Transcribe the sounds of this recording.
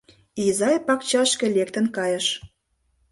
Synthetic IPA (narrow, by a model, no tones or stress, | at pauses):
izɑjpɑkt͡ɕɑʃkĕlek̚t̪ə̆nkɑjə̆ʃ